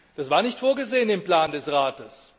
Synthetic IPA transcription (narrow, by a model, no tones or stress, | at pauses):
d̥asv̥aːɐnɪçtfoːɐɡəzeːənɪmplaːndɛsʁaːtəs